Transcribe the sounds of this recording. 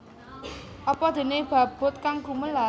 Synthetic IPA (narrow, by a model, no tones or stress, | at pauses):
ʔɔpɔd̪̥e̤neb̥ä̤b̥ʊ̤t̪̚kaŋɡṳməla